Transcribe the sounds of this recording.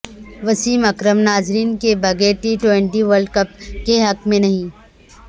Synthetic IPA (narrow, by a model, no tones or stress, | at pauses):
ʋɐsiːmɐkɾəmnaːzɾiːnkebɐɡeːɾʈiːʈwẽɳʈiʋəɾɖkɐp̚keɦɐkmẽnɐɦĩ